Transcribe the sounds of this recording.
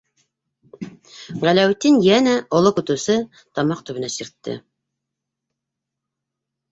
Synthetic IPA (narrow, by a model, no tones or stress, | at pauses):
ʁælæwt̪ːinjænæolˠokut̪usɤ | t̪ʰɑmɑqt̪ʰybɘ̆næsiɾt̪ːɪ̰